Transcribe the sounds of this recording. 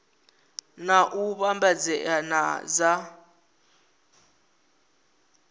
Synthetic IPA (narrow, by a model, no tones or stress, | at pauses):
naʔuɓambad͡zɛʔana̰za